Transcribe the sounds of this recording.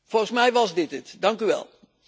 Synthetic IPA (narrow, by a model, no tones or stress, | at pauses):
fɔlˠχənsmɛjʋɑzdɪtətdɑŋkyʋɛ̰lˠ